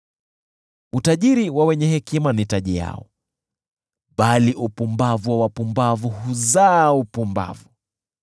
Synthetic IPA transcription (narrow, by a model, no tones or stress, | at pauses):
utaʄiɾiwawɛɲɛɦɛkimanitaʄija̰ɔ̰ | ɓaliʔupumbavuawapumbavuhuzaːupumba̰vu